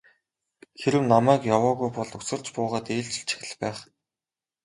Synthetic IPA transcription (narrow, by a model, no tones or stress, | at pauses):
xeɾɘ̆wnamæːkjawɔːɣujpɔɮu̥sə̆r̥t͡ɕpʊːʁaːt̪eːɮt͡ɕ̆ɮt͡ɕʰi̥xʲɘ̆ɮpæːχ